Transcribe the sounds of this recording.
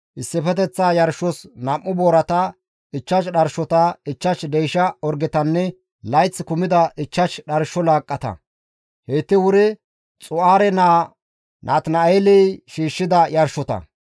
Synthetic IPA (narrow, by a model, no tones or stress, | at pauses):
ʔɪsːɪfɛt̪ɛt͡sːaːjɐɾʃːɔsnɐmːʊboːɾɐt̪ɐ | ɪt͡ʃːɐʃɗɐɾʃɔt̪ɐɪt͡ʃːɐʃd̪ɛjʃɐɔɾɡɪt̪ɐnːɛ | lɐjt͡sːkʊmɪd̪ɐʔɪt͡ʃːɐʃɗɐɾʃɔlaːkʼːɐt̪ɐ̰ | heːt̪ːɪwʊɾɪ | t͡sʼʊaːɾɛnaː | nʔaːt̪nɐejlɛjʃiːʃːɪd̪ɐjɐɾʃɔt̪ɐ̰